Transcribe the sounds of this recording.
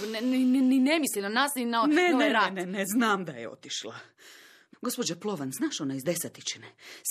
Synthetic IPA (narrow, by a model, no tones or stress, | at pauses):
nninninemislinanaːsninaoneeɾaneneznaːmd̪ajeo̞̰t̪iʃlˠa̰ | ɡo̞spo̞d͡ʒaplˠoʋanznaːʃo̞naizd̪e̞sat̪it͡ʃines